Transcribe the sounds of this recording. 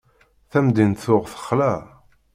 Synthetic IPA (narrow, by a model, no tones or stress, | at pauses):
θæmd̪inθʊʁθə̥χːlæ